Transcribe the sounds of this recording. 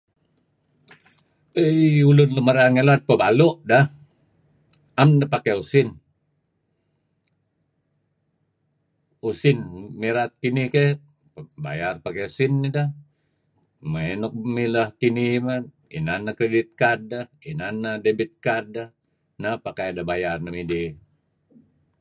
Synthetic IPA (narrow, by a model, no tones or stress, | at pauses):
əjulunləməɾaŋelat̪̚pəbaloʔdah | amnapakeusin | usinmiɾat̪̚kinihke | ba̰jarpakeusinːidah | məɛnɔk̚miləhkinimə | ḭnanːakɾedit̪̚kar̚dahinanːadebit̪̚kar̚da | napakajdabajarnəmidi